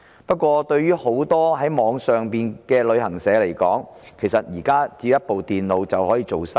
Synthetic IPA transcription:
pɐ˥t̚kʷɔː˧t̪ɵ˧ɥyː˥ho˨˥wt̪ɔː˥ɦɐ˨˥jmɔː˨˧˥ŋsœː˨ŋpiː˨nkɛː˧lɵ˨˧ɥɦɐ˨˩ŋsɛː˨˥le˨˩jkɔː˨˥ŋkʰe˨˩jsɐ˨t̚jiː˨˩kaː˥t͡siː˨˧jɐ˥t̚po˨wt̪iː˨nlo˨˧wt͡sɐ˨whɔː˨˥jiː˨˧t͡so˨wsa˥

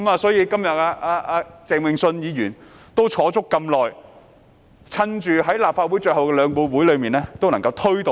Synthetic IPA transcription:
kɐ˨˦maː˨˧sɔː˨˥jiː˨˧kɐ˥mjɐ˨t̚aː˧ʔaː˧ʔaː˧t͡sɛː˨ŋwɪ˨˧ŋsɵ˧njiː˨˧jyː˨˩n | t̪o˥wt͡ʃʰɔː˨˥t͡sʊ˥kːɐ˧mlɔː˨j | t͡sʰɐ˥nt͡ʃyː˨˧ɦɐ˨˥jlaː˨˩p̚fa˧t̚wuː˨˥jt͡ʃɵ˧hɐ˨wkɛː˧lœː˨˧ŋpo˧wwuː˨˥jlɵ˨˧ɥmiː˨nɛː˥t̪o˥wnɐ˨˩ŋkɐ˧wt̪ʰɵ˥ɥt̪o˨˧

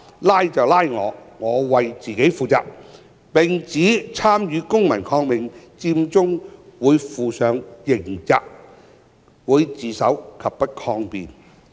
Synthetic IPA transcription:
laː˥jt͡sɐ˨wlaː˥jŋɔː˨˧ŋɔː˨˧wɐ˨jt͡siː˨ke˨˥jfuː˨˩t͡sa̰ː˨k̚ | pɪ˨˩ŋt͡siː˨˥t͡sʰaː˥mjyː˨˧kʊ˥ŋmɐ˨˩nkʰɔː˧ŋmɪ˨ŋt͡siː˧mt͡sʊ˥ŋwuː˨˧jfuː˨sœː˨ŋjɪ˨˩ŋt͡sa̰ː˧˨k̚ | wuː˨˧jt͡siː˨sɐ̰˨˥wkʰɐ˨pːɐ˥t̚kʰɔː˧ŋpiː˨n

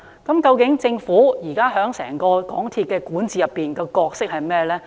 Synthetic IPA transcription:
kɐ˨˦˥mkɐ˧wkɪ˨˥ŋt͡sɪ˧ŋfuː˨˥jiː˨˩kaː˥ɦœː˨˥ŋsɛ̰ː˨˩ŋkɔː˧kɔ̰ː˨˥ŋt̪ʰiː˧t̚kːɛː˧kuː˨˥nt͡siː˨jɐ˨pːiː˨˩nkɛ˧kɔː˧k̚sɪ˥k̚hɐ˨jmɛː˥lɛː˥

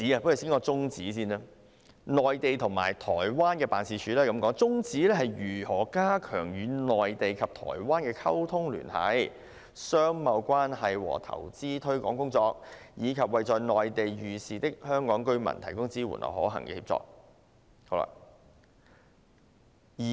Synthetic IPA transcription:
t͡siː˨˥a˨pjy˨˩siː˥ŋkɔː˧t͡sʊ˥ŋt͡siː˨˥siː˥nɛː˥ | nɔː˨jt̪e˨jt̪ʰʊ˨˩ŋma̰ː˨˩jt̪ʰɔː˨˩jwaː˥nkɛː˧paː˨nsiː˧t͡ʃʰyː˨˥lɛː˥˩kɐ˨˦mkɔː˨˥ŋt͡sʊ˥ŋt͡siː˨˥lɛː˥ɦɐ˨jɥyː˨˩hɔː˨˩kaː˥kʰœː˨˩ŋjyː˨˧˥nɔː˨jt̪e˨jkʰɐ˨p̚t̪ʰɔ̰ː˨˩jwaː˥nkɛː˧kʰɐ˥wt̪ʰʊ˥ŋly̰ː˨˩nhɐ̰˨˥j | sœː˥ŋmɐ˨˧wkʷaː˥nhɐ˨jwɔ̰ː˨˩t̪ʰɐ̰˨˩wt͡siː˥t̪ʰɵ˥kɔ̰ː˨˥ŋkʊ˥ŋt͡sɔː˧k̚jiː˨˧kʰɐ˨p̚wɐ˨jt͡sɔː˨jnɔː˨jt̪e˨jɥyː˨˧siː˨t̪ɪ˥k̚hœː˥ŋkɔː˨˥ŋkɵ˥ɥmɐ̰˨˩nt̪ʰɐ˨˩jkʊ˥ŋt͡siː˥wṵ˨˩nlʔɐ̰˨whɔ̰ː˨˥ɦɐ̰˨˩ŋkɛ̰ː˧hiː˧p̚t͡sɔ̰ː˧k̚ | ho˨˥wla̰˧ | jiː˨

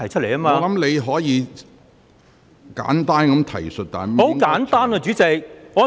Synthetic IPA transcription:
ɐ˨˩jt͡ʃʰɵ˥t̚le˨˩jɐː˥maː˧lɐ˨˦mle˨˧jɦɔː˨˥jiː˨˧ | ka̰ː˨˥nt̪aː˥nkɐ˨˥mt̪ʰɐ̰˨˩jsɵ˨t̚t̪aː˨˩˦ho˨˧˥wkaː˨˥nt̪aː˥nɐ˧t͡ʃyː˨˥t͡sɛ˨˧jŋɔː˨˧

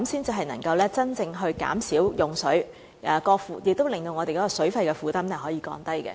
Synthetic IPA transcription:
msiː˥nt͡siː˨ɦɐ˨jnɐ˨˩ŋkɐ˧wlɛː˥t͡sɐ˥nt͡sɪ˧ŋɦɵ˧ɥka̰ː˨˥msiː˨˥wjʊ˨˩ŋsɵ˨˥ɥ | ʔɛ˨˧kɔː˧k̚fuː˨˩jɪ˨k̚t̪o˥wlɪ˨ŋt̪o˧wŋɔː˨˧t̪e˨jkɔː˨˥kːɔː˧sɵ˨˥ɥfɐ˧jkɛː˧fuː˨˧t̪ɐ˥mnɛ˥ɦɔː˨˥jiː˨˧˥kɔ̰ː˧nt̪ɐ˥jkɛ̰˧

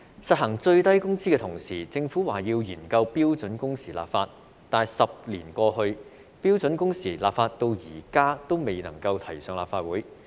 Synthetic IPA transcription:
sɐ˨t̚ɦɐ˨˩ŋt͡sɵ˧ɥt̪ɐ˥jkʊ˥ŋsiː˥kɛː˧t̪ʰʊ˨˩ŋsiː˨˩t͡sɪ˧ŋfuː˨˥waː˨˩jiː˧wjiː˨˩nkɐ˧wpiː˥wt͡sɵ˨˥nkʊ˥ŋsiː˨˩la̰ː˨pfaː˧t̚ | t̪aː˨˩nsɐ˨p̚liː˨˩nkɔː˧hɵ˧ɥ | piː˥wt͡sɵ˨˥nkʊ˥ŋsiː˨˩laː˨˩p̚faː˧t̚t̪o˧wjiː˨˩kaː˥t̪o˥wme˨jnɐ˨˩ŋkɐ˧wt̪ʰɐ˨˩jsœː˨˧ŋlaː˨pfaː˧˥t̚wuː˨˥j

